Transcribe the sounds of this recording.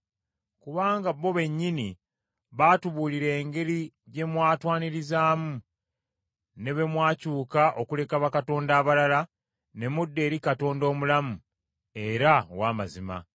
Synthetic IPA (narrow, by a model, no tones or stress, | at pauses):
kuβaːŋɡaβːo̞βe̞ɲːini | βaːtuβuːliɾe̞ːŋɡe̞liɟe̞mwaːtwaːniɾizaːmu | ne̞βe̞mwaːcuːkaʔo̞kule̞kaβakato̞ːndaːβalala | ne̞mudːe̞ːɾikato̞ːndo̞ːmulamu | e̞ɾawaːma̰zima̰